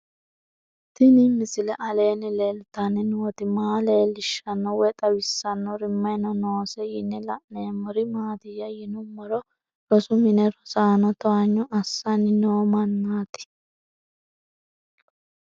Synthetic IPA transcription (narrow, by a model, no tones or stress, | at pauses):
t̪ɪnɪmɪsɪlɛʔɐle̞ːnɪlelʊt̪ɐnɪnuwɔt̪ɪmaːleːlɪʃːɐnːɔwɛt̪ʼɐwɪsːɐnːɔɾɪmːɐjnɔnoːsɛjɪnːɛlɐʔneːmɔɾɪmaːd̪ɪjɐjɪnʊmːɔɾɔ | ɾɔsʊmɪnɛɾɔsaːnɔt̪ɔɐɲːɔʔɐsːɐnɪnoːmɐnːaːt̪ɪ̥